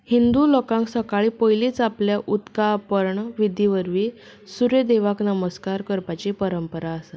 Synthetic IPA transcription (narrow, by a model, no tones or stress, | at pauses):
hind̪ulokãŋksəkaɭiːpəjliːt͡sapljaʔut̪kapəɾɳʋid̪iʋəɾʋi | suɾed̪eʋaknəməskaɾkəɾpat͡ɕepəɾəmpəɾaəsa